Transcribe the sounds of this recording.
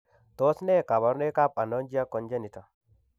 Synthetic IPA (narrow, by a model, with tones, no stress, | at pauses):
t̪o˦sne˦˨ka˨bɔ˨˦ɾne˦ka˦pa˨nɔ˦nd͡ʒi˦a˦kːɔ˨˦nd͡ʒe˦ni˨t̪a˨